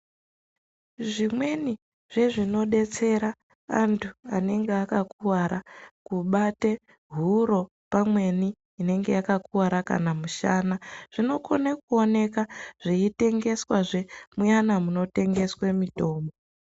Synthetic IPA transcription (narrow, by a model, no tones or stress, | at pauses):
ʐimwe̞ni | ʐe̞ʐino̞ɗe̞t͡se̞ɾa | a̰ntʰua̰ne̞ŋɡeakakuwaɾakuɓate̞ | ɦuɾo̞ | pamwe̞ni | ine̞ŋɡe̞̰jakakuwaɾaka̰namuʃaːnaʐ̥ino̞konakuo̞ne̞kaʐ̥iite̞ŋɡe̞swaʐe̞mujanamuno̞te̞ŋɡe̞swemito̞ːmo